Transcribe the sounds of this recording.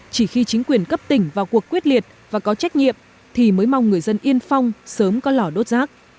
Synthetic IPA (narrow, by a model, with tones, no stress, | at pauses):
t͡ɕi˧˩xi˧t͡ɕï˨˦ŋ̟kwi˨˩ənkə˦˥p̚t̪ï˧˩ŋ̟vaː˨˩wku˨˩əkːwi˦˥t̚li˨˩ət̚vaː˨˩kɔ˨˦t͡ɕa˦˥jk̟̚ɲḭ˧˨əm | t̪ʰi˨˩məː˨˦jma˧wŋ͡mŋɨ˨˩əjzə˧nʔi˧ənfa˧wŋ͡msəː˨˦mkɔ˨˦lɔ˧˩ɗo˦˥t̚zaː˦˥k̚